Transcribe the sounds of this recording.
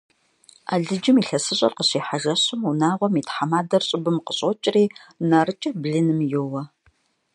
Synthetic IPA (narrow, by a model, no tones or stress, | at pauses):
a̰ːɮɨd͡ʒɪmiːɬɐsɨɕʼɐ̰rqəɕiːħaʒɐɕʊmunaːʁʷɔmiːtħamaːdɐrɕʼɪbɨmqəɕʼɔt͡ʃʼriːnarɨt͡ʃʼɐbɮɨnɨmjowɐ